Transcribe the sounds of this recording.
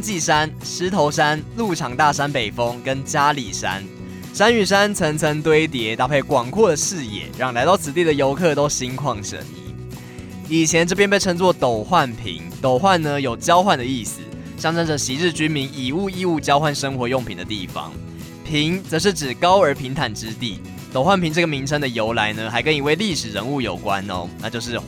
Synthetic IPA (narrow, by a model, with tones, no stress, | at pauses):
t͡ɕi˥˩ʂa˦˥nʂɻ̩˧˥t̪ʰo˧˥ʊʂa˦˥nlu˥˩ʈ͡ʂʰɑ˨˩ŋt̪a˥˨ʂa˥npe˨˩ɪfɤ˦ŋkə˦nt͡ɕja˥lḭ˨˩ʂa̰˦˥n | ʂa˥ny˨˩ʂa˦˥nt͡sʰɤ˧˥ŋt͡sʰə˧˥ŋt̪we˥ɪt̪jɛ˧˥t̪a˥˩pʰe˥˩ɪkwɑ˨˩ŋkʰwɔ˥˩d̪ə˩ʂɻ̩˥˧jɛ̰˨˩˦ɻɑ˥˩ŋla˧˥t̪ɑ˥˩ʊt͡s̩ʰ˨˩t̪̬i˥˩d̪ə˩jo˧˥ʊkʰɤ˥˨t̪o˥ʊɕi˧˥ŋkʰwɑ˥˩ŋʂə̰˨˩nḭ˧˥ | i˨˩t͡ɕʰjɛ˧˦nʈ͡ʂɤ˥˩pjɛ˥npe˥˩ɪɤ˥ŋt͡swɔ˥˨˩t̪o˨˩ʊxwa˥˨˩npʰḭ˧˥˦ŋt̪o˨˩ʊxwa˥˨nːə˧jo˨˩ʊt͡ɕjɑ˥ʊxwa˥˩nd̪ə˩i˥˩s̩˨˩ | ɕjɑ˥ŋʈ͡ʂə˥nd͡ʒə˨˩ɕi˧˥ɻ̩˥˧t͡ɕy˥nmi˧˥ŋi˨˩u˥˧i˥˧u˥˩t͡ɕjɑ˥ʊxwa˥˩nʂə˥ŋxwɔ˧˥˦jo˥˩ŋpʰi˨ŋd̪ə˦t̪i˥˩fɑ̰˧ŋ | pʰi˧˥ŋt͡sə˧˦ʂ̬ɻ̩˥˩ʈ͡ʂɻ̩˨˩kɑ˥ʊə˞˧˥pʰi˧˥ŋt̪ʰa˨˩nʈ͡ʂɻ̩˦t̪i˥˩ | t̪o˨˩ʊxwa˥˩npʰi˧˥ŋʈ͡ʂɤ˥˩ɡə˩mi˧˥ŋt͡sʰə˧˥ŋd̪ə˨jo˧˥ʊla˧˥ɪnə˧xa˧˥ɪkə˦˥ni˨˦we˥˩ɪli˥˩ʂɻ̩˨˩ɻə̰˧˦˥nu˥˩jo˨˩ʊkwa̰˦no̰˦na˥˧t͡ɕjo˥˧ʊʂɻ̩˥˩